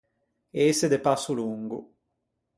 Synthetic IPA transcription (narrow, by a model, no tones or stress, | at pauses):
esed̪epasːuluŋɡṵ